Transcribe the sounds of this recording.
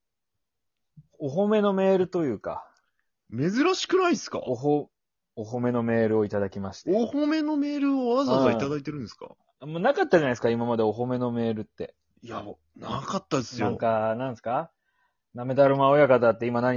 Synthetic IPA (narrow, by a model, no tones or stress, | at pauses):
oɦo̞me̞no̞me̞ːɾɯ̟t̪o̞jɯ̟ːka̰ | me̞zɨɾaɕi̥kɯ̟naisɨ̥ka̰oɦo | oɦo̞me̞nome̞ːɾɯ̟o̞it̪ad̪akʲimaɕi̥t̪eohome̞no̞me̞ːɾɯ̟oazasait̪ad̪ait̪e̞ɾɯ̃nesɨ̥ka̰ | monakat̪ːaʑanaisɨ̥kaimamad̪e̞o̞ɦo̞me̞no̞me̞ːɾɯ̟t̪ːe̞̰ | ja | nakat̪ːad̪esɨnɨj̪õŋkanãñsɨ̥ka | name̞d̪aɾɯmaojakat̪at̪ːeimanaɲ̟